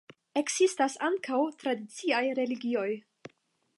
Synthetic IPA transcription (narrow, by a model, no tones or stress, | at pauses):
e̞kz̥istasaŋkawtɾadit͡siajɾe̞liɡio̞j